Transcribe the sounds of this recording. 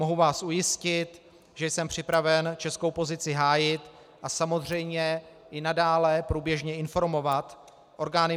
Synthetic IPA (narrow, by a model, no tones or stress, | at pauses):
mo̞ɦuvaːsʔujɪscɪt̪ | ʒɛjsɛmpr̝̥ɪpɾavɛnt͡ʃɛsko̞wpo̞zɪt͡sɪɦaːjɪt̪ | ʔasamo̞zr̝ɛjmɲɛ | ʔɪnadaːlɛpɾuːbjɛʒɲɛɪnfo̞ɾmo̞vat̪ | ʔo̞ɾɡaːnɪ